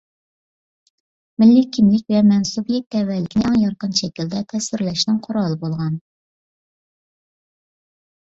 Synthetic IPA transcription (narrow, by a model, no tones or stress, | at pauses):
mɪlːɪkʲʰimlɪk̚ʲvɛmɛnsubjɛk̚t̪ɛvːɛlːɪkʲʰnɪɑŋjɑɾqənʃɛkʲild̪ɛt̪ʰɛsɪɾlɛʃnɨŋqʰʊɾɑlˠəbolˠʁɑn